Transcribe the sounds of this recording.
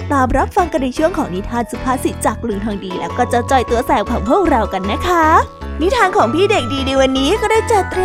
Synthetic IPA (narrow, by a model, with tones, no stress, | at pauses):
t̪aː˨˩mɾa˦˥p̚fa˧ŋka˧nːa˧jt͡ɕʰu˥˩əŋkʰɔː˩˦ŋni˦˥t̪ʰaː˧nsu˨˧˩pʰaː˧˥˩si˨˩t͡ɕa˨˩k̚lɯ˩ŋt̪ʰaː˧ŋdiː˧lɛ̰ː˦˥wkɔː˥˩t͡ɕa˨˩t͡ɕɔ˨˩jt̪u˧ɐsɛː˨˩˦wkʰaː˨˩mhu˥˩əŋɾa˧wka˧nːa˦˥kʰa˦˥ | ni˦˥t̪ʰːaː˧nkʰɔː˩˦ŋpʰiː˥˩de˨˩k̚diː˧ni˧jwa˧nːiː˦˥kɔː˥˩daː˥˩jt͡ɕa˨˩t̪ɾ